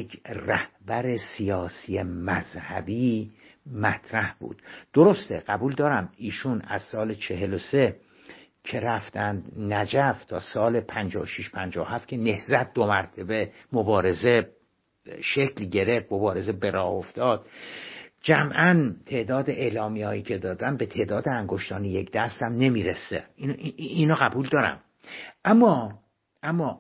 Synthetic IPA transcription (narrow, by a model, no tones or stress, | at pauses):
ræhbæɾesijɒːsijemæzhæ̰biːmæt̪ʰɾæhb̥ṵːd̪̥d̪̥oɾo̞st̪eɢæbuːld̪ɒːɾæmiːʃunæ̰z̥sɒːlet͡ʃʰe̞ɦelose̞ | cʰe̞ɾæft̪ænd̪næd͡ʒæft̪ʰɒːsɒːlepʰænd͡ʒɒːoʃiʃpʰænd͡ʒɒːohæft̪̚cʰe̞ne̞hzæt̪̚d̪omæɾt̪ʰebe̞mobɒːɾe̞ze̞ | ʃecʰlɟe̞ɾefmobɒːɾe̞ze̞be̞ɾɒːhoft̪ɒːd̪̥̚ | d͡ʒæmʔænt̪ʰe̞ʔd̪ɒːd̪eʔelɒːmiɒːjiːcʰe̞d̪ɒːd̪ænbet̪ʰeːd̪ɒːd̪eæŋɡoʃt̪ɒːnijekd̪̥æst̪æmne̞miːɾesḛininɒɣæbuːld̪ɒːɾæ̰m | ʔæmːɒː | ʔæmːɒː